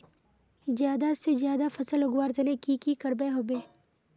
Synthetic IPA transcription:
zjaːd̪asezjaːd̪afɐsəlɦʊɡwaːɾt̪ənekikikəɾbeɦobeː

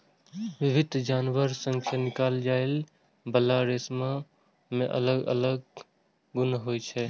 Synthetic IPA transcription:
ʋibʱɪd̪ʱd͡ʒaːnʋəɾsə̃ŋkʰjanɪkaːld͡ʒael | bəlaɾesma | mḛ̃ʔə̰ləɡə̰ləɡ̚ | ɡunɦojt͡ʃʰɛ

